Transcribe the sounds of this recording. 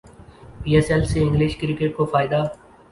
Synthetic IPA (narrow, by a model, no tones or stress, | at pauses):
piːɛsɛlseɪ̃ŋɡlɪʃkɾɪkeʈ̚kofaːɪd̪a